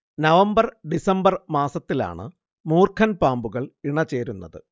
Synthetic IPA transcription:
nɐʋɐmbɐrɖisɐmbɐrmaːsɐt̪ːila̰ːɳɨ̰ | muːrkʰɐnpaːmbuɣɐɭiɳɐt͡ɕe̞ːɾunːɐðɨ̰

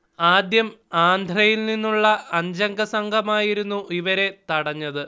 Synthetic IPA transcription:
aːd̪jɐmaːnd̪ʱrɐjilninːuɭːɐɐɲd͡ʑɐŋɡɐsɐŋɡʱɐmaːjiɾunːuiʋɐɾe̞t̪ɐɽɐɲːɐðɨ

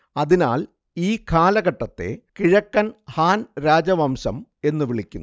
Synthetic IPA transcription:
ɐðina̰ːl | iːkʰaːlɐɣɐʈːɐt̪ːe̞̰kiɻɐkːɐnhaːnɾaːd͡ʑɐʋɐmsɐme̞nːɨʋiɭikʲːunː

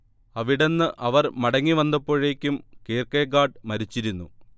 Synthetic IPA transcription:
ɐʋiɽe̞nːɨʔɐʋɐrmɐɽɐŋːiʋɐnd̪ɐpːo̞ːɻe̞ːkʲːumkeːrkɐjɡaːɖmɐɾit͡ɕːiɾunːu

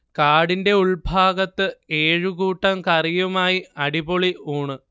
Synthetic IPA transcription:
kaːɽinde̞uɭbʱaːɡɐt̪ːɨeːɻuɣuːʈːɐmkɐrijumaːjiɐɽiboɭiuːɳɨ

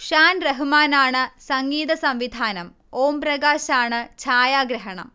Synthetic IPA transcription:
ʂaːnreɦumaːnaːɳɨsɐŋɡiːðɐsɐmʋid̪ʱaːnɐm | oːmprɐɡaːɕaːɳɨt͡ɕʰaːjaːɡɾɐɦɐɳɐ̰m

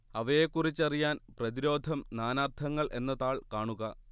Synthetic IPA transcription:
ɐʋɐjekːurit͡ɕːɐrijaːnprɐðiɾo̞ːd̪ʱɐmnaːnaːrt̪ʰɐŋːɐɭʔe̞nːɐðaːɭkaːɳuɣɐ

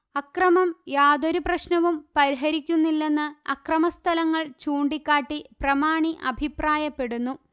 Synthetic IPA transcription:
ɐkrɐmɐmjaːd̪oɾuprɐɕnɐʋumpɐɾiɦɐɾikʲːunːilːe̞nːɨɐkrɐmɐst̪ʰɐlɐŋːɐɭt͡ɕuːɳɖikʲːaːʈːiprɐmaːɳiʔɐbʱipraːjɐpːe̞ɽunːu

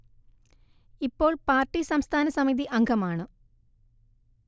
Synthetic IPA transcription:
ipːo̞ːɭpaːrʈːisɐmst̪ʰaːnɐsɐmiðiʔɐŋɡʰʱɐmaːɳɨ

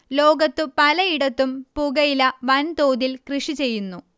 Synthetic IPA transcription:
lo̞ːɡɐt̪ːɨpɐlɐiɽɐt̪ːumpuɡɐjilɐʋɐnt̪o̞ːd̪ilkrɨʂit͡ɕe̞jːunːu

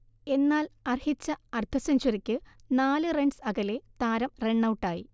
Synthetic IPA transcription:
e̞nːaːlɐrhit͡ɕːɐɐrt̪ʰːɐsɐnɕoɾikʲːɨnaːlɨreɳɖsɐɣɐlet̪aːɾɐmre̞ɳːɐwʈːaːji

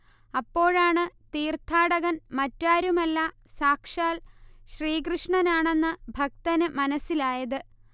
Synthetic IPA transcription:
ɐpːo̞ːɻaːɳɨt̪iːrt̪ʰaːɽɐɣɐnmɐtːaːɾumɐlːɐsaːkʂaːlɕriːkrɨʂɳɐnaːɳe̞nːɨbʱɐk̚t̪ɐnɨmɐnɐsːilaːjɐðɨ

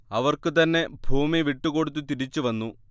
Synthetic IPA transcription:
ɐʋɐrkɨt̪ɐnːe̞bʱuːmiʋiʈːuko̞ɽut̪̬ːɨt̪iɾit͡ɕːuʋɐnːu

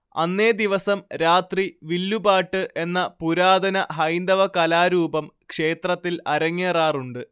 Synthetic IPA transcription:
ɐ̰nːeːd̪iʋɐsɐmɾaːt̪riʋilːubaːʈːɨʔe̞nːɐpuɾaːd̪ɐnɐɦɐjnd̪ɐʋɐkɐlaːɾuːbɐmkʂe̞ːt̪rɐt̪ːilɐɾɐŋːeːraːruɳɖɨ

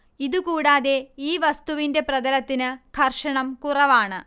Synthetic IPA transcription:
iðukuːɽaːðe̞iːʋɐst̪uʋinde̞prɐðɐlɐt̪ːinɨkʰɐrʂɐɳɐmkurɐʋaːɳɨ

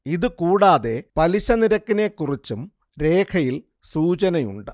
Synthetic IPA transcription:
iðɨkuːɽaːðe̞pɐliɕɐniɾɐkːine̞ːkːurit͡ɕːum | ɾe̞ːkʰɐjil | suːt͡ɕɐnɐjṵɳɖɨ

